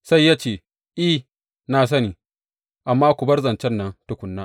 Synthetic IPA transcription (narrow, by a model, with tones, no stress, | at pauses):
sa˦jːaː˦t͡ʃeː˦˨ | ʔi˦ | naː˨s̬ɐ˦niː˨ | ʔa˨mːaː˦kʷu˨bɐ˦rzɐ˨nt͡ʃɛ˦nːɐ˦ntʊ˦kʷʊ˨nːaː˦